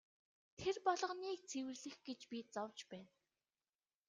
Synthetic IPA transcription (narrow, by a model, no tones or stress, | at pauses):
t̪ʰerpɔɮɞ̆niːk̚t͡sʰewɘ̆rɮɘ̆xɡet͡ɕpʲit͡sɔwt͡ɕpæːn